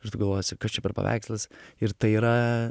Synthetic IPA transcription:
ɪrt̪ʊɡɐlˠʋoːjosʲɪkɐst͡ʃʲɛpʲɛɾpɐ̰ʋʲæ̰ɪkslˠɐsɪɾt̪ɐɪiːɾɐ

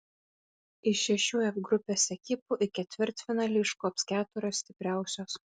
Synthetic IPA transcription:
ɪʃʲɛʃʲuːɛfɡɾʊpʲeːsʲɛkʲɪpuʔɪkʲɛt̪ʲʋʲɪɾˑt̪ʲfʲɪnɐlʲɪʃkuɐpskʲæːt̪ʊɾʲoːssʲt̪ʲɪpʲɾʲæˑʊsʲoːs

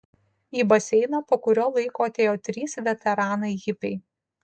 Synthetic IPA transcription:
iːbɐsʲɛɪnɐpoːkʊɾʲoːlˠɐɪkoːɐt̪ʲeːjoːt̪ʲɾʲiːsʋʲɛt̪ʲɛɾɑːnɐɪɣʲɪpʲɛɪ

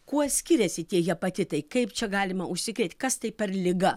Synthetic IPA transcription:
kuɔsʲkʲɪɾʲɛsʲɪt̪ʲiɛjɛpɐt̪ʲɪt̪ɐɪkɐɪpt͡ʃʲɛɡɑːlʲɪmɐʔʊʃʲsʲɪkɾʲeːt̪ʲkɐst̪ɐɪpʲɛɾlʲɪɡɐ

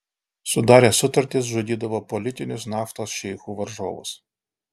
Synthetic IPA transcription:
sʊd̪ɑɾʲɐsʊt̪ɐrʲt̪ʲɪzʒʊdʲid̪ɐʋɔpɔlʲit̪ʲinʲʊsʲnɑft̪ɔsʃɛjxuʋɐrʒɔ̰ʋʊ̰sʲ

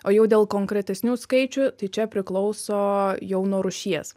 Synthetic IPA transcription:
oːjɛʊd̪ʲeːlˠkoːŋkɾʲɛt̪ʲɛsʲnʲuːskɐɪt͡ʃʲʊt̪ɐɪt͡ʃʲɛpʲɾʲɪklˠɒʊsoːjɛʊnoːɾʊʃʲiɛs

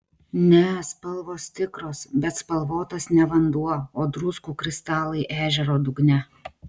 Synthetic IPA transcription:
nʲɛspɐlˠʋoːst̪ʲɪkɾoːsbʲɛt̪spɐlˠʋoːt̪ɐsnʲɛʋɐnd̪uɔoːd̪ɾʊskuːkɾʲɪst̪ɑːlˠɐɪʔæːʒʲɛɾoːd̪ʊɡnʲɛ

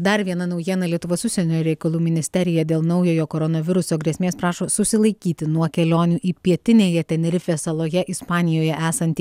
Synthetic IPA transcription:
d̪ɐɾʋʲiɛnɐnɒʊjiɛnɐlʲiɛt̪ʊʋoːsʊʃsʲɛnʲoːɾʲɛɪkɐlˠuːmʲɪnʲɪsʲt̪ʲɛɾʲɪjɛd̪ʲeːlˠnɐʊjoːjoːkoːɾɔnoʋʲɪɾʊsoːɡɾʲiɛsʲmʲeːspɾɑːʃoːsʊsʲɪlˠɐɪkʲiːt̪ʲɪnuɔkʲɛlʲoːnʲuːʔiːpʲiɛt̪ʲɪnʲeːjɛt̪ʲɛnʲɛɾʲɪfʲeːsɐlˠoːjɛʔɪspɑːnʲɪjoːjɛʔæːsɐnʲt̪ʲi

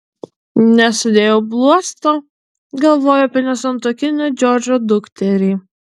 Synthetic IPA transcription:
nʲɛsʊd̪ʲeːjoʊblˠuɔst̪oː | ɡɐlˠʋoːjoːɐpʲɛnʲɛsɐnt̪uɔkʲɪnʲod͡ʒʲɔɾʲd͡ʒʲoːd̪ʊkt̪ʲɛɾʲiː

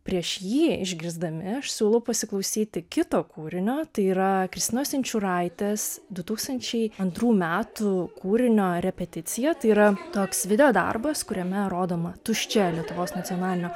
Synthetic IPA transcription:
pʲɾʲiɛʃjiːɪʒʲɡʲɾʲɪzd̪ɐmʲɪɐʃsʲuːlˠɐʊpɐsʲɪklˠɐʊsʲiːt̪ʲɪkʲɪt̪oːkuːɾʲɪnʲoːt̪ɐɪiːɾɐkɾʲɪst̪ʲɪnoːsʲɪnʲt͡ʃʲʊɾɐɪt̪ʲeːsd̪ʊt̪uːkst̪ɐnʲt͡ʃʲɛɪɐnt̪ɾuːmʲæːt̪ʊkuːɾʲɪnʲoːɾʲɛpʲɛt̪ʲɪt̪sʲɪjɛt̪ɐɪiːɾɐt̪oːksʋʲɪd̪ʲɛjoːd̪ɐ̰rbɐskʊɾʲɛmʲɛɾoːd̪oːmɐt̪ʊʃʲt͡ʃʲɛlʲiɛt̪ʊʋoːsnɐt̪sʲɪoːnɑːlʲɪnʲoː

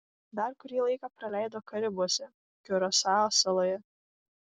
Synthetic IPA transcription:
d̪ɐɾkʊɾʲiːlˠɐɪkɑpɾɐlʲæˑɪd̪oːkɐɾʲɪbuɔsʲɛ | kʲʊɾɔsɑːsɐlˠoːjɛ

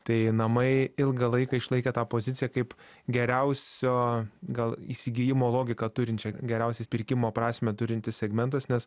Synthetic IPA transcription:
t̪ɐɪnɐmɐɪɪlˠɡɐlˠɐɪkɑːɪʃlˠɐɪkʲet̪ɑːpoːzʲɪt̪sʲɪjɛkɐɪpɡʲɛɾʲɛʊsʲoːɡɐlˠisʲɪɡʲɪjɪmoːlˠoːɡʲɪkɑt̪ʊɾʲɪntʲt͡ʃʲɛɡʲɛɾʲɛʊsʲɪspʲɪɾʲkʲɪmoːpɾɑːsʲmʲeːt̪ʊɾʲɪnʲt̪ʲɪsʲsʲɛɡmʲɛnt̪ɐsnʲɛs

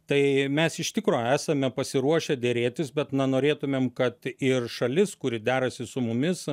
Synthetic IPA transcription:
t̪ɐɪmʲɛsɪʃʲt̪ʲɪkɾoːæːsɐmʲɛpɐsʲɪɾuɔʃʲɛd̪ʲeɾʲeːt̪ʲɪsbʲɛt̪nɐnoːɾʲeːt̪ʊmʲeːmkɐt̪ɪrʃɐlʲɪskʊɾʲɪd̪ʲæːɾɐsʲɪsʊmʊmʲɪs

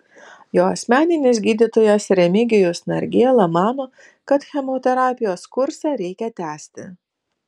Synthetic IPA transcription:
joːɐsʲmʲæːnʲɪnʲɪsʲɡʲiːd̪ʲɪt̪oːjɛsɾʲɛmʲɪɡʲɪjʊsnɐɾʲɡʲeɛlˠɐmɑːnoː | kɐt̪xʲɛmoːt̪ʲɛɾɑːpʲɪjoːskʊɾsɑɾʲɛɪkʲɛt̪ʲæːsʲt̪ʲɪ

